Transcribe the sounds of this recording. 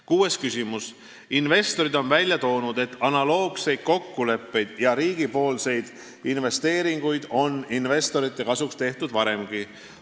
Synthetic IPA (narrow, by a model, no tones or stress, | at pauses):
kuːe̞skysʲimus | inve̞st̪o̞ɾid̪o̞nvælʲjɑt̪o̞ːnud̪̥e̞t̪ːˑɑnɑlo̞ːɡ̥se̞jd̪̥̚ko̞kːule̞pːe̞jd̪̥jɑɾiːɡ̥ipo̞ːlse̞jd̪̥ | inve̞st̪e̞ːɾiŋɡ̥ujd̪̥o̞ninve̞st̪o̞ɾit̪ˑːe̞kɑsukst̪e̞ht̪ud̪̥vɑɾe̞mɡ̥i